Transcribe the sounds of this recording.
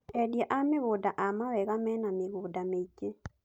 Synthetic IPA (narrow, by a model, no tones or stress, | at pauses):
ɛdjaʔameɣodaʔamawɛɣamɛnameɣoːdamet͡ʃe